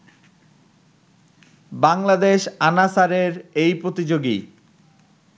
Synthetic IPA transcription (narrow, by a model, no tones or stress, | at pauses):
baŋlad̪eʃanasaɾeɾejpɾot̪id͡ʑoɡḭ